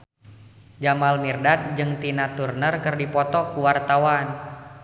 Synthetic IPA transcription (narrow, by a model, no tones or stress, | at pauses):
d͡ʒamalmirdat̪̚d͡ʒɨŋt̪inat̪urnərkɨrdipɔt̪ɔkuwart̪awan